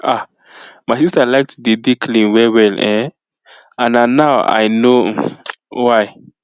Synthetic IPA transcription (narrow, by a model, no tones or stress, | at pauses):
a | majsistalaɪk̚tʰudidikʰlĩnwɛwɛlɛ̃ | ãnanawa̰jno | waj